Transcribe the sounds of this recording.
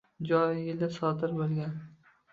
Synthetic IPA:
d͡ʒɒjjɪld̪asɒd̪ɪɾbolˠɡʲan

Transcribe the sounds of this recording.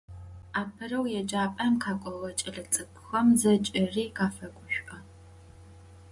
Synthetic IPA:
aːpʰɨrɐwjɛd͡ʒaːpʼɐmqʰaːkʷʼɔʁɐt͡ʃʼɐɮɐt͡sʼɨkʰʼxɐmzɐt͡ʃʼɪriːqaːfɐɡʷʊɕᶣʷʔɐ

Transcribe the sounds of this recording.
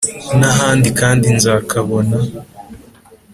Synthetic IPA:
naɦaːndikaːndinzaːkaβo̞na

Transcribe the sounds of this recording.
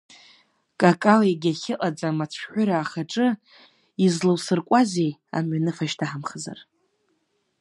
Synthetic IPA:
kʼakʼaleɡʲaχʲɪʔʼad͡zʼamat͡sʷʰħʷᶣʊɾaːχaʈ͡ʂʼɨ | izlɨwsɨrkʷʼazeja̰mɥanɨfaʃtʰaħamχəza̰r

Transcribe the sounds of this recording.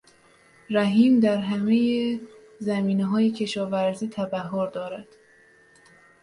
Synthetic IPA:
ɾæɦiːmd̪æɾɦæmeje | zæmiːneɦɒːjecʰe̞ʃɒːvæɾziːt̪ʰæbæɦːoɾd̪ɒːɾæd̪̥

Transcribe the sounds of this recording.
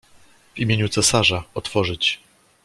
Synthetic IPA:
vimʲeɲut̪sɛsaʐaɔt̪fɔʐɘt͡ɕ

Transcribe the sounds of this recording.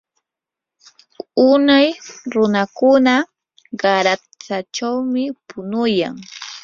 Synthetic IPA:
ʊnajɾʊnakʊna | ɢɑɾa | t͡sat͡ʃawmɪpʊnʊja̰ŋ

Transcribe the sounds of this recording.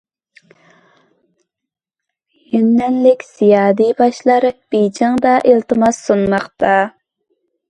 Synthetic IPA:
jynːɛnlɪkʲsijɑːd̪ibɑʃlˠɑɾb̥id͡ʒɑŋd̪ɑʔelˠt̪ɨmɑsːunmɑχt̪ɑ

